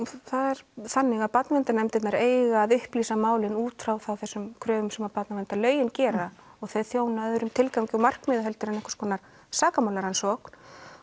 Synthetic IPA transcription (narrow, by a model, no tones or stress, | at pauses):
θaðɛɾ̥θanːɪɣaðpat̪navɪnt̪anɛmt̪ɪt̪naɾeːjɣaːðʏhpliːsamaːwlɪnuːt̪fɾawθawθɛsːʏmkʰɾœːvʏmsɛmapat̪navɛnt̪alœːɥjɪncɛːɾa | ɔɣθejðθjoːwnaɛðʏɾʏmt̪ʰɪlkacɪɔmar̥kmɪːðaɛlt̪ʏɾɛnɛhkḁskʰɔːnaɾ̥ | saːkamaːwlaɾhansɔk